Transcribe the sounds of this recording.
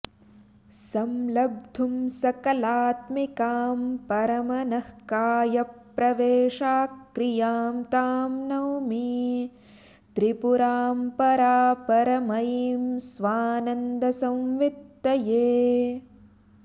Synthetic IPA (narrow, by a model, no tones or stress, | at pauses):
sɐmlɐb̚d̪ʱumsɐkɐlaːt̪mikaːmpɐɾɐmɐnɐhkaːjɐpːɾɐʋeːʂaːkkɾijaːmt̪aːmnɐwmi | t̪ɾipuɾaːmpɐɾaːpɐɾɐmɐjimsʋaːnɐnd̪ɐsɐ̃mʋit̪ːɐjeː